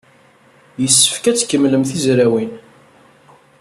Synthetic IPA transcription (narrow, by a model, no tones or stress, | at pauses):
jəsːə̥fkæt͡sːkːəmːləmθizɾæwin